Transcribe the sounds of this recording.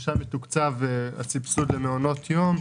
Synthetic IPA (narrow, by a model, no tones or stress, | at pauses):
ʃametukt͡sava̰t͡sipsudleneono̞tʰjom